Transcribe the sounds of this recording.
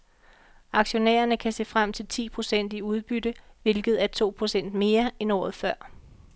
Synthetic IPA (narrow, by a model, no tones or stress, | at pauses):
ɑ̈ɡ̥ɕo̝næ̰ːɐnəkʰæse̝̰ːfʁam̰t͡sʰe̝lt͡sʰḭːpʰʁo̝sen̰d̥iuð̞ˠb̥ydəʋe̝lɡ̥ð̞̩ˠæɐt͡sʰo̝̰ːpʰʁo̝sen̰d̥me̝ːɐenɒ̰ːð̞̩ˠfɶɐ̰